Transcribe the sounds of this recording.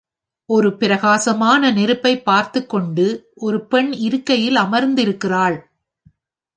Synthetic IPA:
ʔɔɾɯpɪɾɐɣaːsɐmaːnɐnɛɾɯpːɐɪpːaːɾt̪ɯkːɔɳɖɯʔɔɾɯpɛɳɪɾɯkːɐjɪlɐmɐɾnd̪ɪɾɯkːɪraːɭ

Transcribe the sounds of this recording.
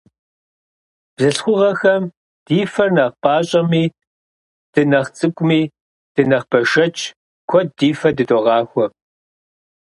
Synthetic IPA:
b̥zɨɬχʷʊʁɐxɐm | d̥iːfɐrnɐʁpʼaːɕʼɐmiː | d̥ɨnɐχt͡sʼɨkʷʼʊmiː | d̥ɨnɐχb̥ɐʃɐt͡ʃʼ | kʷʰɔdiːfɐdɨtʼɔʁɑːxʷɔ

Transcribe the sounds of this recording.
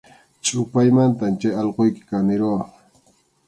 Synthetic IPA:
t͡ʃʼʊpajmant̪amt͡ʃajɑlqojkɪ̥kanɪɾowɑχ

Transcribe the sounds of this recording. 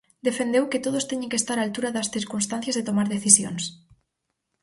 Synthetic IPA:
d̪efend̪ewket̪oð̞ost̪eɲẽŋkest̪aɾaːlt̪uɾaðɐsθiɾkunst̪ãn̟θjazðet̪omaɾðeθisjo̰ns

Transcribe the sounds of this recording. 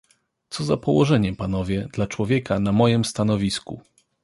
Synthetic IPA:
t̪sɔzapɔwɔʐɛɲɛpanɔvʲjɛd̪lat͡ʂwɔvʲjɛkanamɔjɛmst̪anɔvʲiskṵ

